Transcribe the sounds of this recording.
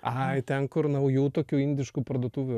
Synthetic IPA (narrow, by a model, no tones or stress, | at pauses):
ɐɪt̪ʲɛnkʊɾnɐʊjuːt̪oːkʲuːɪnʲd̪ʲɪʃkuːpɾɐd̪uɔt̪uːʋʲʊ